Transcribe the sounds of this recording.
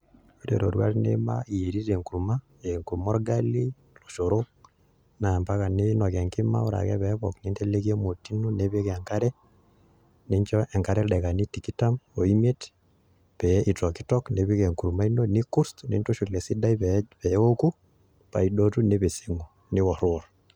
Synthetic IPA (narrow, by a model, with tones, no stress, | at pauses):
e˦ɾḛ˨ɾo˨ɾwa̰˦tnḛ˦ma̰i˨e˨ɾi˦ɾe˨ŋku˨ɾuma˦ | eŋku˨ɾumo˦ɾɡa˦li˦ | lo˨ʃo˨ɾo˦ | na˨mpa˦ka˨ne˦nɔ˨kɛ˨ŋkɪ˦ma̰˦o̰˦ɾa̰˨kɛ̰˦βɛβɔkne˦nte˦le˦ki˦e˦mo˨ti˦no˦ne˦βe˦keŋka˦ɾɛ˦ | ne˦ɲt͡ʃɔ˦ʔe˨ŋka˦ɾɛ˦ɗɛ˨ka˨ni˦tiki˦ta˦mo˨i˦me˦t | pɛ˨i˨tɔ˨ki˦tɔ˦kne˨βi˦ke˨ŋku˨ɾuma˦i˦no˦ni˦ku˦ɾstnḛ˦nto˦ʃu˨le˨si˦da˦i˦pɛpɛo˦ku˦ | pa̰˨i˨do˦tu˦ne˦βe˨seŋo˨ | nɪ˦wɔ˨ɾwɔ˨ɾ